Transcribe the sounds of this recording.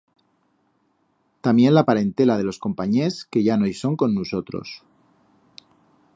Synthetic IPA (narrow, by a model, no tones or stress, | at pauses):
t̪amje̞nlapaɾe̞nt̪e̞lað̞e̞lo̞sko̞mpaɲe̞ske̞ʝanojso̞ŋkonːuso̞t̪ɾo̞̰s